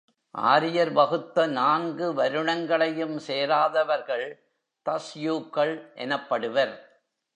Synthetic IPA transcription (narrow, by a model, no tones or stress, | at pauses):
ʔa̰ːɾɪjɐɾʋɐɣɯt̪ːɐnaːnɡɯʋɐɾɯɳɐŋɡɐɭɐjɯmseːɾaːðɐʋɐɾɣɐɭ | t̪ɐsjuːkːɐɭʔɛ̰nɐpːɐɽɯʋɐɾ